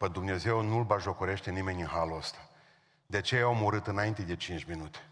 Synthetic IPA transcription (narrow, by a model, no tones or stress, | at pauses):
pəd̪umne̞ze̞wnulbaʒo̞koɾe̞ʃt̪e̞nime̞nʲɨnɦaluəst̪ḁ | d̪eat͡ʃejajaawmuɾɨt̪ɨnaint̪ed̪e̞t͡ʃint͡ʃʲminut̪e̥